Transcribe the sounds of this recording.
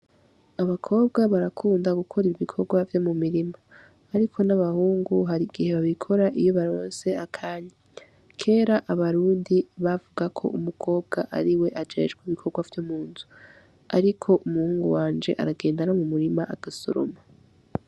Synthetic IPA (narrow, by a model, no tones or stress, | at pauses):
aβakʰo̞ːb̚ɡaβaɾakʰuːndaɡukʰoɾiɾiβikʰo̞ɡwavjo̞mumiɾimaː | ɾikʰo̞naβahuːŋɡuɦaɾiɡ̥ihe̞βaβikʰo̞ɾaʔijo̞βaɾoːnse̞akʰaːɲa | kʰe̞ːɾaʔaβaɾuːndiβavuɡakʰo̞̰ʔumukʰo̞ːb̚ɡaʔaɾiwe̞ʔad͡ʒe̞̰d͡ʒɡwiβikʰo̞ɡwavjomuːnzu | aɾikʰo̞ʔumuhuːŋɡuwaːnd͡ʒe̞ʔa̰ɾaɡe̞ːndanomumuɾimaʔaɡ̥aso̰ɾo̰ma